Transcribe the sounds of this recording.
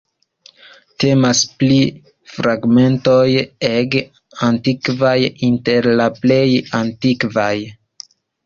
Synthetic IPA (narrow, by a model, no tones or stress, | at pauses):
te̞maspli | fɾaɡme̞nto̞jeɡ | antikvajinte̞ɾlaple̞jantikvaj